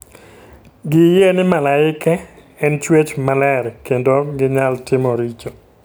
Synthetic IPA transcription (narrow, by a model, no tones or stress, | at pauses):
ɡɪjenɪmalaɪkɛː | nt͡ʃwet͡ʃmalɛrkendoɡɪɲaltɪmoɾit͡ʃo